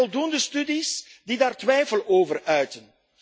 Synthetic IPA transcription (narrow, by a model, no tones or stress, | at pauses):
ɔlˠdundəstydisdidaːrtwɛjfəloːvərœɥtən